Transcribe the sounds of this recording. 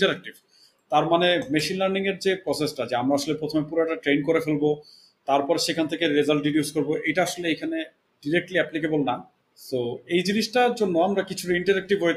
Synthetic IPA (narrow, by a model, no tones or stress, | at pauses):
iʈaɾɛk̚ʈib | t̪aɾmanemeʃinlaɾniŋeɾd͡ʑepɾɔsesʈad͡ʑeamɾaaʃolepɾot̪ʰomepuɾoɛʈaʈɾenkoɾefelbo | t̪aɾpɔɾeʃekʰant̪ʰekeɾezalʈ̚ɖiɖjuskoɾboʔejʈaaʃoleejkʰane | ɖiɾek̚ʈliɛplikebolnam | soejd͡ʑiniʃʈaɾd͡ʑonːoamɾakit͡ɕʰuʈaiɳʈaɾɛk̚ʈibʱɦoje